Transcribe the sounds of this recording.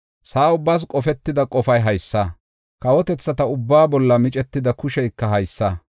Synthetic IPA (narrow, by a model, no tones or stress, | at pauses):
saːʊbːɐs̬kʼɔfɛt̪ːɪd̪ɐkʼɔfɐjɦɐjsːɐ | kɐwɔt̪ɛt͡sːɐt̪ɐʊbːaːbɔlːɐmɪt͡ʃʼɛt̪ːɪd̪ɐkʊʃɛjkːɐɦɐjsːɐː